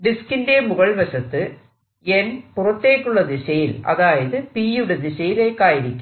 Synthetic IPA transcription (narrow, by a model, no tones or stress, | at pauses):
ɖɪskɪndemʊɣɐɭʋɐɕɐt̪ːɨ | enpʊrɐt̪ːeːʈːuɭːɐd̪iɕɐjɪlɐ̰ðaːjɐðɨpiːjuɽed̪iɕɐjileːkaːjɪɾikʲːum